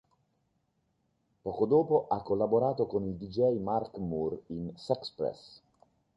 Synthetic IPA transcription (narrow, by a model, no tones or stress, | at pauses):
pɔːkod̪oːpoʔakːolːaboɾaːt̪okonild̪id͡ʒɛjmarkmurinsɛkspɾɛ̰s